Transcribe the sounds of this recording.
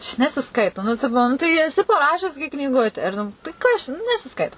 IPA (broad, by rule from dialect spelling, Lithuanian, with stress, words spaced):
t͡ʃʲɛ nʲɛsʲɪˈskɐɪtoː nʊ ˈtʲɪpoː ˈnʊ tɐɪ ɛˈsʲɪ pɐˈrɑːʃʲʊs ɡʲɪ knʲiːˈɡʊtʲɛ ɪr ˈnʊ tɐɪ kɐs t͡ʃʲɛ nʊ nʲɛsʲɪˈskɐɪtoː